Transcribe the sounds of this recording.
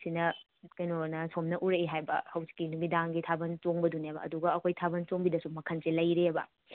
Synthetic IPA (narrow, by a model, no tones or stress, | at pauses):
sinɐ | kɐjnonɐsomnɐʔuɾɐiɦajbɐ̰hɐwzi̥kːinduɡidaŋɡitʰabɐnt͡ʃoŋbɐdunebɐ̰ːduɡɐːkʰojtʰabɐnt͡ʃoŋbidɐsumɐkʰɐnselɐjɾebɐ̰